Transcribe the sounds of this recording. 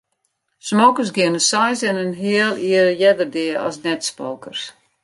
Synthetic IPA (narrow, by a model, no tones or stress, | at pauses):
smoːkəs̬ɡɪnəsajsɪnənɦiəlˠiərjɛdərdɪəɔ̰snɛtspo̰ːkərs